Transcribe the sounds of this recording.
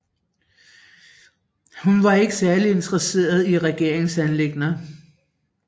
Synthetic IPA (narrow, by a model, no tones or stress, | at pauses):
hunʋɑ̈e̝ɡ̥əsæɐlie̝nd̥ʁɐse̝̰ːɐð̞ˠiʁɛɡ̥e̝ɐ̰eŋsænle̝ɡ̥nɐ